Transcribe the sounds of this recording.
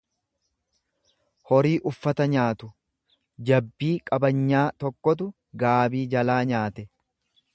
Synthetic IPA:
hɔɾiːʔʊfːɐt̪ɐɲaːt̪ʊ | d͡ʒɐbːiːkʼɐbɐɲːaːt̪ɔkːɔt̪̬ʊ | ɡaːbiːd͡ʒɐlaːɲaːt̪ɛ

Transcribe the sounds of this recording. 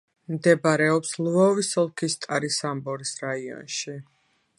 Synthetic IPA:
md̪ɛbaɾɛɔpslvɔvisɔlˠkʰist̪ʼaɾisambɔɾisɾaiɔ̰nʃi

